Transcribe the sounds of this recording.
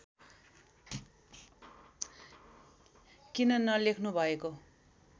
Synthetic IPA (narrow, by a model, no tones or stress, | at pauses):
kinʌnʌlekʰnubʱʌeko